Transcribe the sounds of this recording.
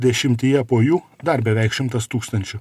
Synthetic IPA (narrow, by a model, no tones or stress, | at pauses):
d̪ʲɛʃʲɪmʲt̪ʲiːjɛpoːjuːd̪ɐɾbʲɛʋʲɛɪkʃʲɪmt̪ɐst̪uːkst̪ɐnʲt͡ʃʲʊ